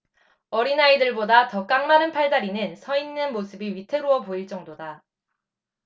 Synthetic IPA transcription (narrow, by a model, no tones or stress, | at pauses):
ʌɾinaidɯɭbodatʌk͈aŋmanɯnpʰaɭdaɾinɯnsʰʌinːɯnmosʰɯbiɥitʰe̞ɾuʌpoiɭt͡ɕ͈ʌŋdoda